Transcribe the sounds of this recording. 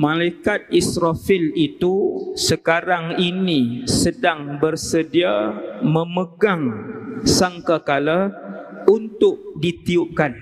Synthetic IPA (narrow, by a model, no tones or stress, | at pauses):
mãlaikat̪̚isɾafilit̪usəkaɾaŋinisədaŋbərsədiamə̃məɡaŋsaŋkakala | unt̪ʊk̚dit̪iup̚kan